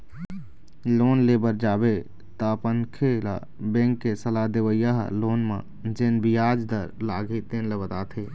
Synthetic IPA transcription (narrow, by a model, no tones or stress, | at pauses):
loːnleːbəɾd͡ʒaːbe | t̪əpənkʰela̰ | bɛ̃ːŋkːesəlad̪eʋəjaɦloːnmã̰ | d͡ʒenbijaːd͡ʒd̪əɾlaːɡʱet̪eːnləbət̪aːt̪ʰeː